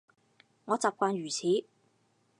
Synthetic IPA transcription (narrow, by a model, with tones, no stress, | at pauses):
ŋɔː˨˧t͡saː˨p̚kʷaː˧nɥyː˨˩t͡sʰiː˨˥